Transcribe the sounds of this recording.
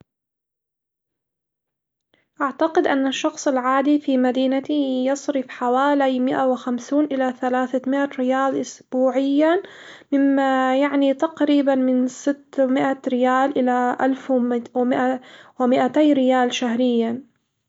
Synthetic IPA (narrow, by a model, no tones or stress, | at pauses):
ʔaʕt̪aqɪd̪ʔanːaʃːɑxsˤɪlʕaːd̪ifimad̪iːnat̪ijɑsˤɾɪfħawaːlajmɪʔawɪxamsuːnʔɪlaθalaːθamɪʔaɾɪjaːlʔʊsb̥uːʕɪjːa | mɪmːajaʕnit̪aqɾiːbanmɪnsɪt̪ːmɪʔaɾɪjaːlʔɪlaʔa̰lfwmɪʔawɪmɪʔat̪ajɾɪjaːlʃaɦɾɪjːa